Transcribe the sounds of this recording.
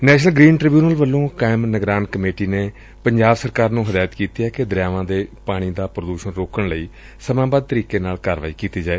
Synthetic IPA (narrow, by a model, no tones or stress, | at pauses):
nɛːʃnəlɡɾiːnʈɾɪbjuːnəlʋəlːõːkaːɪmnəɡɾaːnkəmeːʈiːneː | pəɲd͡ʒaːbsəɾkaːɾnũːɦəd̪aːjt̪kiːt̪iːɛːked̪ɾjaːʋãːd̪eːpaːɽ̃iːd̪aːpɾəd̪uːʃənɾoːkəɳləiː | səmãːbaːd̪̚t̪əɾiːkeːnaːlkaːɾʋa̰ːiːkiːt̪iːd͡ʒaːeː